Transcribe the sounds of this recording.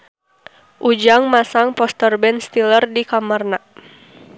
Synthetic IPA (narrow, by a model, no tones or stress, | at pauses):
ʔud͡ʒaŋmasaŋpɔst̪ərbɛnst̪ilərdikamərna